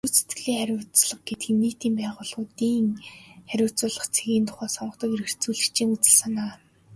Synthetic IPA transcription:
uːset̪ɡɘ̆ɮiːŋχæɾʲʊːt͡sɮə̆χɡet̪ɡiːmːiːt̪iːmpæːʁʊːɮʊːt̪iːŋχæɾʲʊːt͡sʊːɮə̆χt͡sʰeɣʲiːnt̪ʰʊ̥χæːsɔɴə̆χt̪ə̆keɾɘ̆r̥t͡suːɮɘ̆kt͡ɕiːŋut͡sɘ̆ɮsanaː

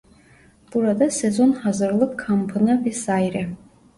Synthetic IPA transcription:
b̥uɾad̪asezo̞nhazɯɾlˠɯkʰːampʰɯnɯvɛsaːiɾɛ

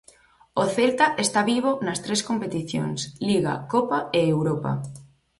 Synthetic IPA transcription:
oθelt̪aʔest̪aβiβ̞onɐst̪ɾeskompet̪iθjo̰ŋsliɣa̰kopaeewɾopa̰

